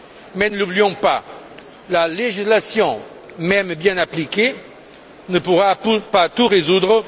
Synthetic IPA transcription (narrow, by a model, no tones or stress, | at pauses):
mɛnəlublijɔ̃pa | laleʒislasjɔ̃ | mɛmbjɛ̃naplike | nəpuʁapupat̪uʁezud̪ʁə